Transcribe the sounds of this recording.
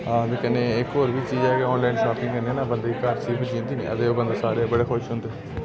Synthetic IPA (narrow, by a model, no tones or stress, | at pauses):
d̪eːkənːeːekoːɾʋiːt͡ʃiːd͡ʒɛːɡɛːɔ̃ːnlainʃaːpɪ̃ŋɡənɛːnaːbənd̪eːikaɾt͡ʃiːpːd͡ʒĩːnd̪iːnḛːə̰d̪eːoːbə̃nd̪aːsaːɾebəɽeːkʰoʃɦʊ̃nd̪eː